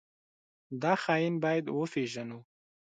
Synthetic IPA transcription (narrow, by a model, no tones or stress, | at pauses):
d̪ɑxɑjinbɑjad̪wəfeʒanu